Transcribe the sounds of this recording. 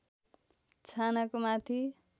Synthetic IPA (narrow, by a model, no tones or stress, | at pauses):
t͡sʰanakomat̪ʰi